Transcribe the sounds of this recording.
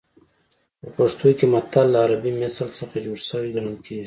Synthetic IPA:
pəpaʂt̪ujkemat̪alːaːɾabimɪsəlsəxad͡ʒoɽsəwiɡanunki

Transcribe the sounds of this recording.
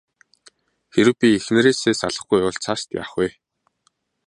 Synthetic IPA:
xeɾɘ̆wpʲiexnɘ̆ɾeːseːsaɮə̆χɡujʊɮt͡sʰast̪ja̰ːχwuj

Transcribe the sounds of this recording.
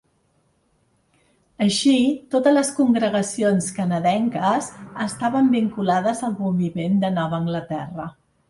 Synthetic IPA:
əʃit̪ot̪əzləskuŋɡɾəɣ̞əsionskənəðɛŋkəzəst̪aβəmbiŋkulaðəzəlˠβumbimend̪ənɔβəːŋɡlət̪ɛrə

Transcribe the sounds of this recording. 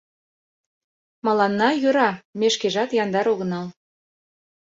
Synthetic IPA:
mɑlɑnːɑjøɾɑmeʃkeʒɑt̪jɑnd̪ɑɾoɣə̆nɑl

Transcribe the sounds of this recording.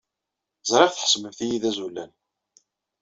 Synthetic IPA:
zˤɾˤɪʁθə̥ħə̥sməmθijiðæzulːæn

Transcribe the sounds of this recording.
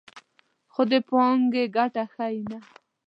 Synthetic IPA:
xod̪epɑŋɡeɡaʈaxajna

